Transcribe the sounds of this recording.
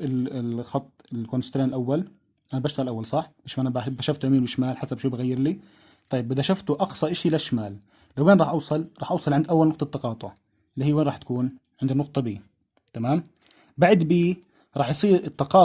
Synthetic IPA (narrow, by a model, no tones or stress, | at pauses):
ɪlɪxɑt̪ˤːɪlkonst̪ɾeːnɪlʔawːal | ʔanabaːʃt̪ɣalʔawːalsˤɑħbaʃmaʔanababaʃaft̪ʔamiːnwɪʃmaːlħasabʃuːbaɣajːɪɾli | t̪ˤɑjːɪbɪd̪aʃaft̪ʊʔɑqsˤɑʔɪʃilaʃmaːlː | awːeːnɾˤɑːħʔɑwsˤɑlɾˤɑːħʔɑwsˤɑlʕɪnd̪ʔawːalnʊq̚t̪ˤɑt̪ːɑqɑːt̪ˤʊʕ | ʔɪlːihɪjːweːnɾˤɑːħt̪ḁkuːn | ʕɪnd̪inʊq̚t̪ˤɑbiː | t̪amaːm | baʕad̪biː | ɾˤɑːħjsˤiːɾɪt̪ːɑqɑː